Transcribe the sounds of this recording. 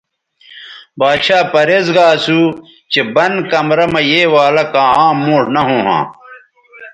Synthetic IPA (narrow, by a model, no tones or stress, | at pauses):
baːɕaːpɐɾezɡaːsuː | t͡ɕebɐnkɐmɾɐmɐjeːwaːlɐkãːãːmːõːʈnɐɦõːɦã̰ː